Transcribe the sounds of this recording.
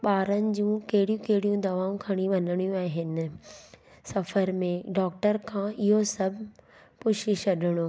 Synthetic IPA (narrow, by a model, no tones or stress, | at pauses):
ɓaːɾənɪ̆d͡ʑũːkɐɦɪɽijũkɐɦɪɽijũd̪ɐʋaːũkʰɐɽ̃iʋɐnəɽ̃ijũaːɦɪnɪ̆ | sɐfəɾmẽɖɔːk̚ʈəɾkʰãːɪɦosɐbʱ | pʊʃɪʃɐɗɪɽ̃oː